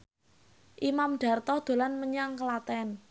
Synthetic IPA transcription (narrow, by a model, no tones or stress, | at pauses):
ʔimamɖ̥a̤rt̪ɔd̪̥o̤lanməɲaŋkəlat̪ɛn